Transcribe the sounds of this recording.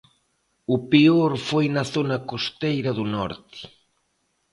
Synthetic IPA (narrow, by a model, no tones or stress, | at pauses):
ʊpioɾfojnɐθonɐkost̪ejɾɐðunɔɾt̪ɪ̥